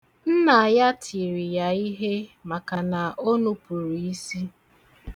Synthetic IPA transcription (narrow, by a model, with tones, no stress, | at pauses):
n̩˦na˨a˨ja˦tʰi˨ɾi˨ja˨i˦ɦe˦ma˨ka˨na˨ʔo˦nu˦pu˨ɾi˨i˦si˦